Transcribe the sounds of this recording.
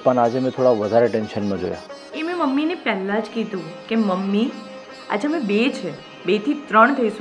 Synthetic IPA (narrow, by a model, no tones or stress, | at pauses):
pəɳad͡ʒemɛ̃t̪ʰoɽaʋəd̪ʱaɾeʈenʃənmãd͡ʒo̰ja̰ | emẽməmːinepɛɦlad͡ʒkid̪ũkeməmːi | a̰d͡ʒemẽbet͡ʃʰe | bet̪ʰit̪ɾəɳ̃t̪ʰəiʃũ